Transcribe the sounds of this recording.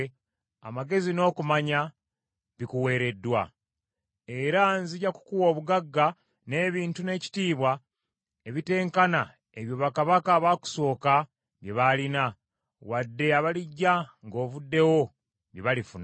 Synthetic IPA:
a̰maɡe̞zino̞ːkumaɲa | βikuwe̞ːɾe̞dːwa̰ | e̞ɾanziɟaku̥kuwo̞ːβuɡaɡːa | ne̞ːβiːntune̞ːci̥tiːβwa | eβite̞ːŋkana | eβjo̞βakaβakaβaku̥so̞ːka | βjeβalina | wadːe̞aβaliɟːaŋɡo̞ːβudːe̞wo̞ | βjeβalifun

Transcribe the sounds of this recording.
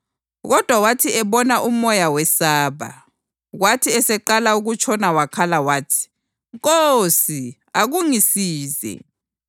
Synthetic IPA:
ɣɔd̥ʱwawatʰiɛβɔnaʔumɔjawɛsaːβa̰ | ɣwatʰiɛsɛǃalauɣut͡ʃʰʼɔnawakʰalawaːtʰi̥ | ŋkosi | aɣuŋisiːzɛ̰

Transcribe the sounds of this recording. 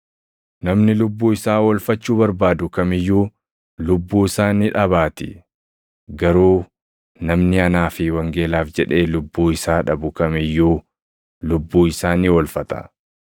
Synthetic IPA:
nɐmnɪlʊbːuːɪsaːwɐlfɐt͡ʃːuːbɐɾbaːd̪ʊkɐmɪjːuː | lʊbːuːɪsaːnɪᶑɐβaːt̪ɪ̰ | ɡɐɾuː | nɐmnɪɐnaːfɪwɐŋɡe̞ːlaːfd͡ʒɛᶑe̞ːlʊbːuːɪsaːᶑɐbʊkɐmɪjːuː | lʊbːuːɪsaːniːwɐlfɐt̪ɐ̥̰

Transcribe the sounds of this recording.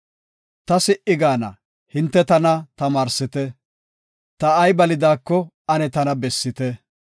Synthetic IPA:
t̪ɐsɪʔɪɡaːnɐ̰ | hɪnt̪ːɛt̪ɐnɐt̪ɐmaːɾsɪt̪ɛ | t̪ɐːjbɐlɪd̪aːkːɔ | ɐnɛt̪ɐnɐbɛsːɪt̪ɛ

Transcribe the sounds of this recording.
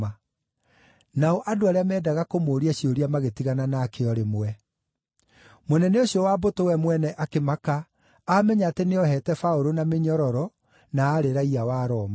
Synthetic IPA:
a | naɔʔadoaɾeamɛːdaɣakomoːɾiaɕioɾiamaɣetiɣananaːkeɔɾemoɛ | monɛneoɕijɔwaːbotowɛmwɛnɛʔakemakaː | mɛɲaːteneɔhɛtɛfaoɾonameɲɔɾɔɾɔ | naːɾeɾaiawaːɾɔːma

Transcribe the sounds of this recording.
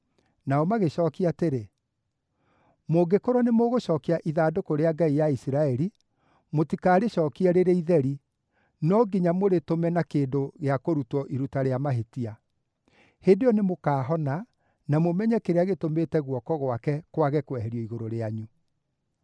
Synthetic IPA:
naɔmaɣeɕɔːkiateɾe | moɡekoɾɔnemoɣoʃɔːkiaʔiðaːdokoɾeaɡaijaisiɾaɛɾi | motikaːɾeɕɔkiɛɾeɾeiðɛɾi | nɔɡiɲamoɾetomɛnakeːndoɣeakoɾutɔʔiɾutaɾeamaɦetia | hedejɔnemokaːɦɔna | namomɛɲɛkeɾeaɣetomeːtɛɣwɔkɔɣwakɛkwaɣɛkwɛɦɛɾjɔiɣoɾoɾeaɲu

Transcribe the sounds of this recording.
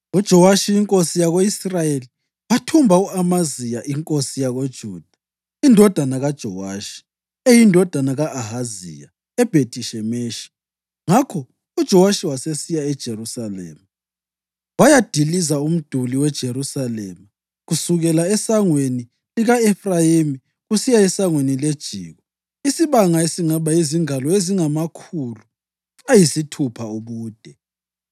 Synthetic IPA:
ud̥ʒ̥ʱɔwaʃijiŋkʼosijaɣoisrajeli | watʰumbʱauamazijaʔiŋkʼosijaɣod̥ʒ̥ʱuːd̥ʱḁ | indʱɔd̥ʱanaɣad̥ʒ̥ʱɔ̰waːʃi̥ | ejindʱɔd̥ʱanaɣaʔaɦazḭja̰ | ɛb̥ʱetʼiʃɛmeːʃi̥ | ŋakʰɔ | ud̥ʒ̥ʱɔwaʃiwasesijaɛd̥ʒ̥ʱeɾusalɛ̰ːma | wajad̥ʱilizaum̩d̥ʱuliwɛd̥ʒ̥ʱeɾusalɛ̰ːma | ɣusuɣɛlaɛsaŋweni | liɣaɛfrajemi | ɣusijaɛsaŋweniled̥ʒ̥ʱḭːɣɔ | isiβaŋaesiŋaβaiziŋalɔeziŋamakʰulu | ajisitʰupʰauβuːd̥ʱɛ

